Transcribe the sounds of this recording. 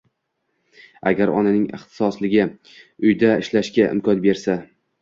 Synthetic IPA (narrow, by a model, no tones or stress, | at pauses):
a̰ɡʲaɾɒ̰nanɪŋɪ̰χt̪ʰɪ̥sɒslɪɡʲɪ | ʊjd̪aɪʃlaʃkʲaʔɪ̰mkʰɒnbe̞ɾsa